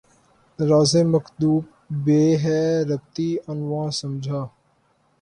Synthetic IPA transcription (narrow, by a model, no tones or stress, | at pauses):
ɾaːzẽːməkd̪uːp̚ | beːɦɛːɾəb̚t̪iːənʋãːsəmd͡ʒʱaː